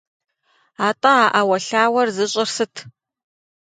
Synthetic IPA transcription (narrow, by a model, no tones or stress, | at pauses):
aːtʼɐaːʔawɐɬaːwɐrzɨɕʼɪrsɨtʰ